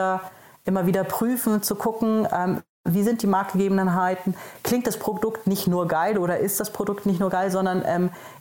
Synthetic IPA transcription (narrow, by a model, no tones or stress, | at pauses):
ɐʔɪmɐviːdɐpʁ̥yːfn̩t͡sukʰʊkŋ̩ɛːm | viːzɪnt̚d̥iːmaɐk̚t̚ɡ̥əɡeːbm̩nɦaɪtn̩kl̥ɪŋktd̥aspʁ̥odʊktnɪçtnuːɐɡaɪlʔoːɾɐʔɪst̚d̥aspʁ̥odʊktnɪçtnuːɐɡaɪlzɔndɐnʔɛːm